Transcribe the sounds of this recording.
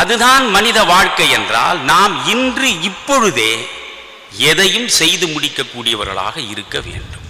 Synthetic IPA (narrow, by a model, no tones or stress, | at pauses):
ɐðɯðaːnmɐnɪðɐʋaːɻkɐɪɛndra̰ːlnaːmɪndrɯɪpːɔɻɯðeː | ɛðɐjɯmsɛjðɯmʊɽɪkːɐkːuːɽɪjɐʋɐ̰ɾɣɐ̰ɭa̰ːɣɐɪɾɯkːɐʋḛːɳɖɯm